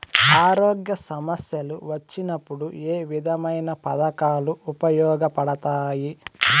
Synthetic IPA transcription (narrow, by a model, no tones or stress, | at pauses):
aːɾoːɡjɐsɐmɐsjɐlṵʋɐt͡ʃːinɐpːuɽueːʋid̪ʱɐmɐjnɐpɐd̪ɐkaːluupɐjɔːɡɐpɐɽɐt̪aːji